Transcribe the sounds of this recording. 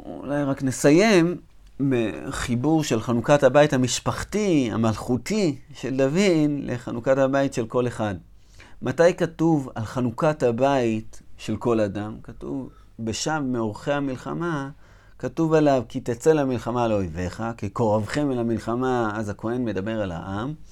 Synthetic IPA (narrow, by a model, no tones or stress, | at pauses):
ṵlajʁakne̞saje̞m | beχibuʁʃe̞lχanukathabaithamiʃpaχtia̰malχutiʃe̞ldavinlʔeχanukathabaitʃe̞lko̞le̞χad | matajkatuvalχanukathabaitʃe̞lko̞ladamkatṵv | beʃavmeoʁχe̞hamilχa̰ma | katuvalavkitat͡se̞lamilχamaleojve̞χakiko̞ʁavχemelamilχamaazako̞e̞nme̞dabe̞ʁala̰ʔam